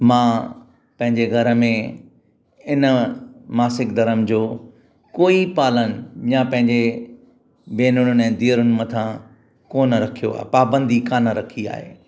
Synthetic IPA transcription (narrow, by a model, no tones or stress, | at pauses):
mãː | pɐ̃ɦɪ̃ɲd͡ʑeɡʱɐɾə̆mẽ | ɪnəmaːsɪkd̪ɐɾəmd͡ʑoː | koːipaːlənɪ̆jãpɐ̃ɦɪ̃ɲd͡ʑe | beːnʊɽ̃ʊnɛ̃ːd̪iːəɾʊnɪ̆mɐt̪ʰã | koːnəɾɐkʰijoa̰ːɦepaːbə̃nd̪ʱikaːnəɾɐkʰia̰ːɦḛː